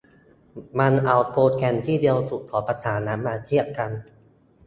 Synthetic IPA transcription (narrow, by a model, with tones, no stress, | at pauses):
ma˧nʔa˧˩wpʰoː˧t̪̚kʰɛ˧nt̪ʰiː˥˩di˧əwsu˨˩kʰɔː˩˦pa˧t̪ʰaː˩˦nːaː˩˦˥mːaː˧t̪ʰi˥˩ɐka˧n